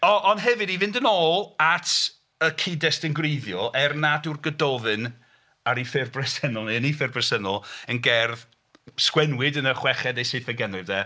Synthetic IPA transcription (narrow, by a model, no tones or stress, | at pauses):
ɔʔɔnɦɛvɨdivɪndənoːlˠatʰ | əkʰɪdɛstɪnɡreðjɔʔɛrnadurɡədɔvɨn | aɾifɪrbrɛsɛnɔlˠniənifɪrbrɛsɛnɔlˠənɡɛrð | skwɛnwɨdənəχwɛχɛdejseθɛɡɛnlɨvdɛ